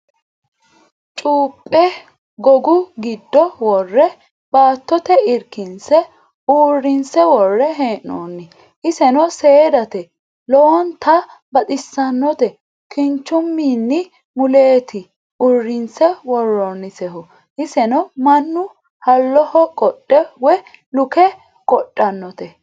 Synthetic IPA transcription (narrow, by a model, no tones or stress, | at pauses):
t͡ʃʼuːpʼːɛ | ɡɔɡʊɡɪd̪ːɔwɔrːɛ | baːt̪ːɔt̪ɛɪɾkɪnsɛ | uːrːɪnsɛwɔrːɛɦeːʔo̰ːnːɪ | ʔɪsɛnɔseːd̪ɐt̪ɛ | lɔwɔnt̪ʰɐ | bɐt̪ʼɪsːɐnːɔt̪ɛ | kɪnt͡ʃːʊmːiːnːɪ | mʊle̞ːt̪ʰɪ | ʔʊrːɪnsɛwɔrːɔnːɪsɛɦʊ | ʔɪsɛnɔmɐnːʊ | hɐlːɔhɔkʼɔɗʼːɛwɛ | lʊkɛ | kʼɔtʼːɐnːɔt̪ɛ